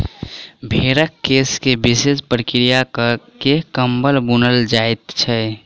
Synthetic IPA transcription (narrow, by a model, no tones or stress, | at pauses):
bʱeɾəkːeskebisespɾəkɾijakkekəmbəlbunəld͡ʒaet̪t͡ʃʰɛ